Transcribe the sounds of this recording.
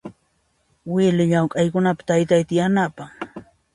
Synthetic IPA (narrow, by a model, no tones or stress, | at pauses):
wɪlɪʎawkʼɑjkʊnapḁt̪ajt̪ajt̪ɪjanapaχ